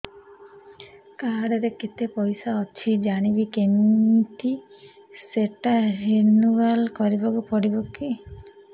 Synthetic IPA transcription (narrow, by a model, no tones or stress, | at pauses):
kaɾɔɾekit̪epɔjsaɔt͡ʃʰid͡ʒaɽ̃ibikent̪iseʈaɦenuɡalkɔɾibɔkupɔɽibɔki